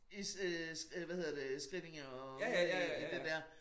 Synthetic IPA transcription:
issʋæhe̝ð̞̰ˠɐd̥esɡ̥ʁid̥eŋɒ | d̥ed̥ɛɐ̰

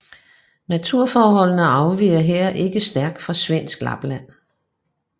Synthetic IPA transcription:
næt͡sʰuɐ̰fɒːɦɒ̽l̰nəɑ̈ʊʋiːɐɦeɐ̰ʔe̝ɡ̥əsd̥æɐɡ̥̚d̥fʁɑ̈sʋen̰sɡ̥lɑ̰̈b̥læn̰

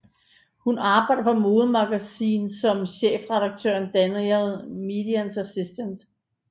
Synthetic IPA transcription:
hunɑ̈ːb̥ɑ̈ɪd̥ɐpʰɒ̽mo̝ːð̩ˠmɑ̈ɡ̥æsḭːnsɒ̽mɕḛːfʁɛdɑ̈ɡ̥̚t͡sʰø̰ɐnd̥ænilmid̥iænsæsisd̥ənd̥

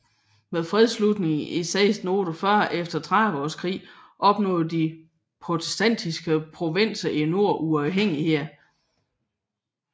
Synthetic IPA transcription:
meðˠfʁɛð̞ˠslud̥ne̝ŋ̩ʔesɛ̰ːsno̝ːɾ̥ofɶɐ̰efd̥ɐt͡sʰʁaʋɒːskʰʁḭːʔɒ̽b̥nɔ̰̽ːð̩ˠd̥i | pʰʁo̝t͡sʰe̥sd̥æn̰d̥isɡ̥əpʰʁo̝ʋen̰sɐʔino̝ɐ̰ʔuɑ̈ʊɦeŋ̰iheɐ̰

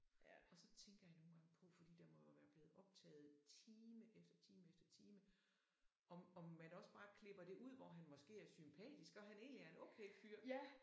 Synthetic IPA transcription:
ɒ̽sɒ̽t͡sʰeŋɡ̥ɐjɑno̝ːn̩ɡ̥ɑ̈ŋəpʰɒ̽fɒ̽d̥ḭːd̥ɑ̈mɒʋæːɐb̥le̝ːð̩ˠʔɒ̽b̥̚t͡sʰɛ̰ːð̩ˠt͡sʰiːməʔefd̥ɐt͡sʰiːməefd̥ɐt͡sʰiːmə | ɒ̽mɒ̽mːænɒ̽sb̥ɑ̈ːkʰle̝b̥ɐd̥e̝ʔuð̞̰ˠʋɒɦænmɒ̽sɡ̥e̝̰ːæɐsympʰɛ̰ːd̥isɡ̥ɒ̽ɦæne̝̰ːnliæɐe̝noʊkʰeɪfyɐ̰

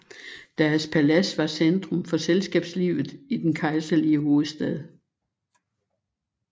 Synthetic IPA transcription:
d̥æɐspʰælæsʋɑ̈send̥ʁɔ̽mfɒ̽selsɡ̥ɛ̰ːb̥sliːʊð̩ˠid̥enkʰɑ̈ɪsɐliəɦo̝ːð̩ˠsd̥ɛð̞̰ˠ

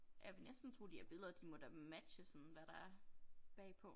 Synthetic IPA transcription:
ʔæʋenesd̥n̩t͡sʰo̝̰ːd̥iæɐb̥e̝lˠɐd̥imɔd̥æmæd̥ɕəsɔ̽nʋæɾ̥ɑ̈æɐb̥ɛ̰ːpʰɔ̽

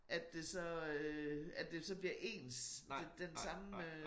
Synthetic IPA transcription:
ʔæd̥e̝sɒ̽øædd̥e̝sɒ̽b̥liɐʔe̝̰ːnsd̥ensɑ̈m

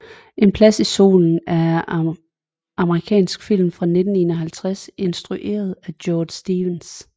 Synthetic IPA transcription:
ʔe̝npʰlæsiso̝̰ːln̩æɐ | ɑ̈məʁikʰɛ̰ːnsɡ̥fil̰mfʁɑ̈ne̝d̥n̩e̝nɐɦælt͡sʰʁase̝nsd̥ʁuʔe̝̰ːɐð̞̩ˠæd̥jɒːd̥sd̥iːʋens

